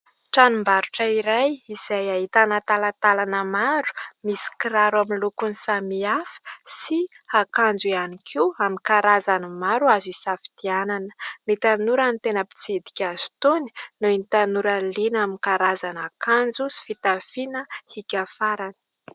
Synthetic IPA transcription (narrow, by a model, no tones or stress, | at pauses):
ʈ͡ʂanumbaɾuʈ͡ʂəiɾajiz̥ajaɦit̪anat̪alat̪alanəmaɾu̥misi̥kiɾaɾaminlukunisamiafə̥si | akand͡zianikʰiamikaɾazanəmaɾuazisafi̥d̪̥iananə̥mit̪anuɾant̪enəpi̥t͡sid̪i̥kʲazu̥t̪uni̥nuinit̪anuɾəlinamikaɾazanakand͡zusi̥fit̪afinəhikʲafaɾanə̥